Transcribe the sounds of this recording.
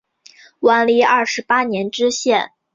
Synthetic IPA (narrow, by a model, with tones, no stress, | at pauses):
wa˧˥nli˧˥ɐ˥˩ʂɻ̩˧˥pa˥njɛ˧˥nʈ͡ʂɻ̩˥ɕjɛ˥˩n